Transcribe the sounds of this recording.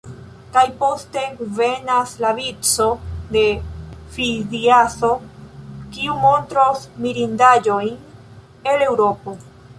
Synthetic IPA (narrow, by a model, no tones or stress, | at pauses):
kajpo̞ste̞ɡuve̞naslavit͡so̞de̞fiziaso̞ | kiumo̞ntɾosmiɾindad͡ʒo̞jn | e̞le̞wɾo̞po̞